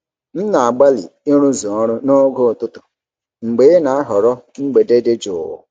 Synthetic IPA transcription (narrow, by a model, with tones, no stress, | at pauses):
n̩˦na˨a˨ɡ͡ba˦lḭ˨i˦ɾʊ˦zɔ˨ɔ˦ɾʊ˦no˦ɡo˦˨tʊ˦tʊ̥˨ | ŋ͡m̩˨ɡ͡be˨˦na˨a˦ɦɔ˨ɾɔ˦ŋ͡m̩˦ɡ͡be˨de˦de˦d͡ʒʊ̰˨ʊ̰˨